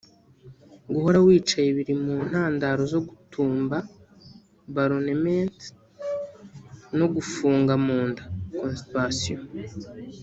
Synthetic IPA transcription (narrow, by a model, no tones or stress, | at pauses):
ɡuho̞ɾawiːt͡ʃajeβiɾimuːn̥haːndaɾo̞zo̞ɡutuːmba | baɾonement | no̞ɡufuːŋɡamuːndḁkonsiasijo